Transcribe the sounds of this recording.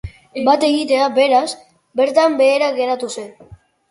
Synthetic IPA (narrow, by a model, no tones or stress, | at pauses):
bat̪e̞ɣit̪e̞abe̞ɾas | be̞ɾt̪ambe̞ːɾaɣe̞ɾat̪use̞n